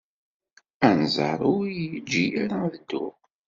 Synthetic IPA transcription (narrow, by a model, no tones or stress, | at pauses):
ænzˤɑ̰ɾˤʊijəd͡ʒːijaɾaðəd̪ːʊ̰ʁ